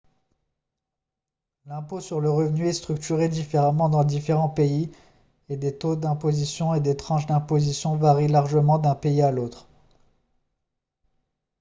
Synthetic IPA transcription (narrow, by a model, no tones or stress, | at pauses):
lɛ̃posyʁləʁəvnyɛst̪χyk̚t̪yʁed̪ifeʁamɑ̃d̪ɑ̃d̪ifeʁɑ̃pei | ed̪et̪od̪ɛ̃pozisjɔ̃ed̪et̪χɑ̃ʃd̪ɛ̃pozisjɔ̃vaʁilaʁʒəmɑ̃d̪ɛ̃peialot̪χ